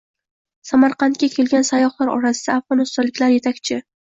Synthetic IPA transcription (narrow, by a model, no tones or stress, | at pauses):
samaɾqʰɑnt̪̚kʲakʲʰe̞lɡʲansajɒhlaɾɒ̰ɾasɪd̪aːfʁɒnɪst̪ɒnlɪkʲlaɾje̞t̪ʰakʲt͡ʃʰɪ